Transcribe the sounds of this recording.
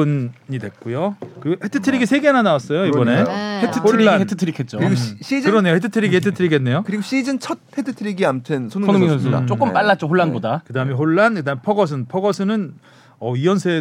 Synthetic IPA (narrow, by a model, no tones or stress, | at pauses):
ɯnːidwe̞k̚k͈ujokɯɾiɡohetʰɯtʰɯɾiɡisʰe̞ɡenanawas͈ʌjoibʌne̞hetʰɯoːanhetʰɯtʰɯɾikʰet̚t͡ɕ͈okɾiɡoɕɕ͈id͡ʑɯɾʌne̞johetʰɯtʰɯɾiɡihetʰɯtʰɯɾiɡenːe̞jokɯɾiɡoɕ͈id͡ʑɯnt͡ɕʰʌt̚hetʰɯtʰɯɾiɡiamt͡ɕʰensʰononɯnsʰo̰t͡ɕ͈ok͈ɯmp͈aɭːat̚t͡ɕ͈ohoɭːanbodakɯdaɦɯmeɦoɭːankɯdaɦɯmepʰʌɡʌs̬ʰɯnpʰʌɡʌsʰɯnɯn | ʌiʌnsʰe̞